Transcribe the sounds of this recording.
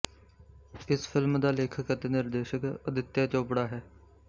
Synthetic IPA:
ɪsfɪlmd̪aːleːkʰəkət̪enɪɾd̪eːʃəkəd̪ɪt̪ːjaːt͡ʃoːpɽaːɦɛː

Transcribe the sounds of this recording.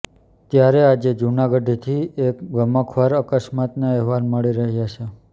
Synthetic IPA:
t̪jaɾead͡ʒed͡ʒunaɡəɖt̪ʰiekɡəməkʰʋaɾəkəʃmat̪naɛɦʋaɾməɭiɾəɦjat͡ʃʰe

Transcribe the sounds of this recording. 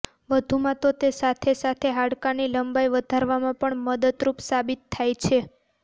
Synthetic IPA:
ʋəd̪ʱumãt̪ot̪esat̪ʰesat̪ʰeɦaɽkaniləmbajʋəd̪ʱaɾʋamãpəɳməd̪əd̪ɾupsabit̪ʰːajt͡ʃʰe

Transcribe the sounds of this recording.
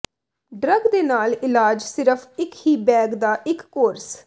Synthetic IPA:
ɖɾəɡd̪eːnaːlɪlaːd͡ʒsɪɾəpʰɪkhiːbɛːɡd̪aːʔɪkːoːɾs

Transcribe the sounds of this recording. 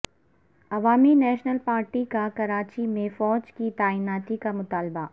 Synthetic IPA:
ɐʋaːminɛːʃnəlpaːɾʈikakɐɾaːt͡ʃimẽfɔːd͡ʒkit̪aːiːnaːt̪ikamʊt̪aːlba

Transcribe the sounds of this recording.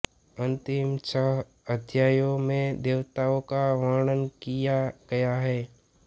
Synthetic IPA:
ə̃nt̪ɪmsəɦ | əd̪ʱjaːjõmẽd̪eːʋt̪aõkaʋaːɽ̃ənkijaɡ̥ɐjaɦɛː

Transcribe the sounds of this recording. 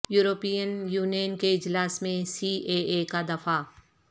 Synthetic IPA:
juːɾoːpiːjənjuːnijənkeɪd͡ʒlaːsmẽsiːʔeekad̪ɐfa

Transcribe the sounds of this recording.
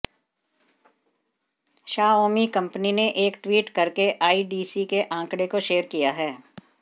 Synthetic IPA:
ʃaːoːmikɐ̃mpnineʔeːkʈwiːʈkɐɾkeʔaːiɖiːsikeʔãːŋkɽekoʃeːəɾkijaɦɛː

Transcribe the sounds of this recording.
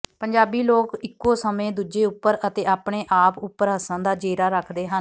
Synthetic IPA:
pəɲd͡ʒaːbiːloːkɪkːoːsəmẽːd̪uːd͡ʒeːʊpːəɾət̪eːaːpɳeːʔaːpʊpːəɾɦəsãːd̪aːd͡ʒeːɾaːɾəkʰd̪eːɦən

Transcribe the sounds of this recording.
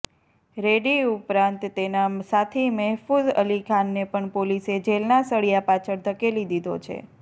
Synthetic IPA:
ɾeɽiupɾãnt̪ːenasat̪ʰimɛɦfuzə̰likʰanːepəɳpolised͡ʒelnasəɭijapat͡ʃʰəɾt̪ʰəkelid̪id̪ʱot͡ʃʰḛ

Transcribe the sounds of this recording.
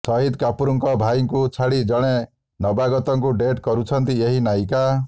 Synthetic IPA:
sɔɦid̪kapuɾuŋkɔbʱajŋkut͡ʃʰaɽid͡ʒɔɽ̃e | nɔbaɡɔt̪ɔŋkuɖeʈkɔɾut͡ʃʰɔnt̪ieɦinajka

